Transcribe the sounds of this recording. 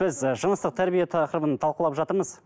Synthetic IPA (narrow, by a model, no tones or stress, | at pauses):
ɪzʒənəst̪əq̚t̪ʰæɾbijet̪ʰɑqɾəbənt̪ʰɑlˠqəlˠɑpʒɑt̪əɾməz̥